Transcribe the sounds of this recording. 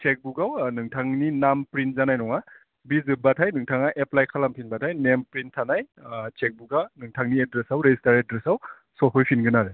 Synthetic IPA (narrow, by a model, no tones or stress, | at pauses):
t͡ʃek̚buɡawnɯŋtʰaŋninampɾin̚zanajnɔŋa | bizɯbatʰajnɯŋtʰaŋaʔeplajkʰalampʰinbatʰajnempɾintʰːanaj | t͡ʃek̚buɡanɯŋtʰaŋniedɾesawɾezistaɾedɾesaw | sɔpʰɔjpʰinɡɯnaɾe